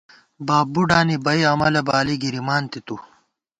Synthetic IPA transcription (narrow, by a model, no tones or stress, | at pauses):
baːbuɖaːnibɐiɐmɐlɐbaːliɡiɾimaːnt̪it̪u